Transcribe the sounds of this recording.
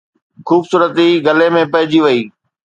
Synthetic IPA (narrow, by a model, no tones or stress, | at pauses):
xuːbsuːɾət̪iɡɐlemẽpɐ̃ɦɪd͡ʑiʋɐiː